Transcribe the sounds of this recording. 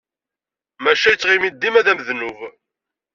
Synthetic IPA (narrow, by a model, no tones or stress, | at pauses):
mæʃæjət͡sːʁimid̪ːimæðæməðnuv